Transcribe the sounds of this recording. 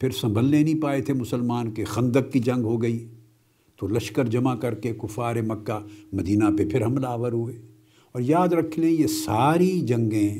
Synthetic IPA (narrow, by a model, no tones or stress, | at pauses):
pʰɪɾsɐ̃mbʱəlnenɐĩpaːet̪ʰemʊsəlmaːnkexɐ̃nd̪əkːid͡ʒɐ̃ŋɡɦoɡɐi | t̪olɐʃkəɾd͡ʒɐmakɐɾkekʊfaːɾẽmɐkːamɐd̪iːnapepʰɪɾɦɐmlaːʋəɾɦueː | ɔːɾjaːd̪ɾɐkʰlẽjesaːɾid͡ʒɐ̃ŋɡẽ